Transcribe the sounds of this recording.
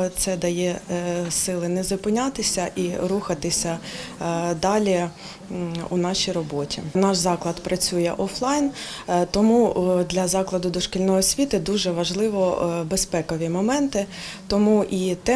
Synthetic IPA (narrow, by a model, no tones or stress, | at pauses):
t̪sɛd̪ɐjɛsɪlˠɪnɛzɔpɪnʲɑt̪ɪsʲɐʔiɾuxɐt̪ɪsʲɐ | d̪ɑlʲi | ṵnɑʃʲijrɔbɔtʲinɑʃzɑklˠɐd̪pɾɐt͡sʲujɛʔɔflˠɑjnt̪ɔmud̪lʲɐzɑklˠɐd̪ʊd̪ɔʃkɪlʲnɔjɔsʲʋʲit̪ɪd̪uʒɛʋɐʒlˠɪʋɔbespɛkɔʋʲimɔmɛnt̪ɪt̪ɔmuʔit̪ɛ